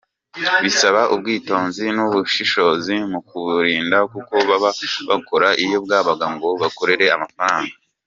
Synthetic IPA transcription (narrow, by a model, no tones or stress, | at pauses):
βisaβaʔubɡiːto̞ːnzinuβuʃiʃo̞zimukuβuɾiːndakuko̞βaβaβako̞ɾaʔijo̞b̚ɡaːβaɡaŋɡo̞βako̞ɾe̞ɾe̞amafaɾaːŋɡa